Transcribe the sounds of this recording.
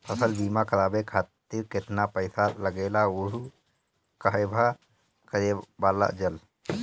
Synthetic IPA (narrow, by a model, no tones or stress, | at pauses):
pʰəsəlbiːmakəɾaːbekʰaːt̪iɾkɪt̪napəɪsaləɡeːlaʊɾu | kaɦbʱa | kəɾebaːla̰d͡ʒəl